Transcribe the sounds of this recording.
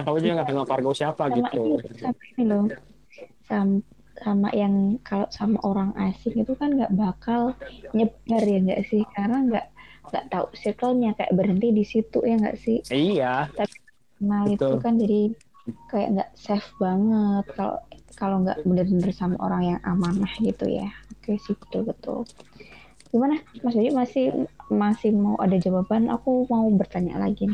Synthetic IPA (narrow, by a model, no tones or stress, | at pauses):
akalod͡ʒuɡaŋɡat̪əŋakwarɡasiapaɡimaʔiisamainilo | sam | sama̰ʔjaŋkalosama̰ʔoɾaŋʔasɪŋit̪ukanɡaʔbakalɲəbərjaŋɡa̰ʔsɪhkaɾnaŋɡa̰ʔŋɡa̰ʔt̪aṵʔsihkəlɲakaja̰ʔbəɾɦənt̪idisit̪ṵʔjaŋɡa̰ʔsɪhijat̪apikənalit̪ukand͡ʒadi | kaja̰ʔŋɡa̰ʔsɛfbaŋət̪̚kalo̰kaloŋɡa̰ʔbənərənərsama̰ʔo̰ɾaŋjaŋʔamanahɡit̪ṵja̰akasit̪ʊlbət̪ʊ̰l | ɡ̥imanamas̬ad͡ʒumasɪhmasɪhmaṵʔadad͡ʒababanʔa̰kumaubərt̪aɲa̰la̰ɡin